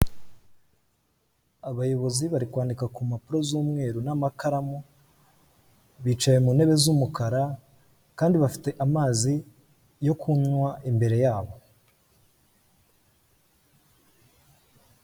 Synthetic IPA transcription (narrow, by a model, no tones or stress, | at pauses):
aβajo̞βo̞ziβaɾikwaːndikakumapuɾo̞zuːmŋe̞ːɾunamakaɾamu | βiːt͡ʃaje̞mune̞βe̞zumukaɾa | kaːndiβafi̥te̞ʔamaːzi | jo̞kʰunwaʔimbe̞ɾe̞jaːβo̞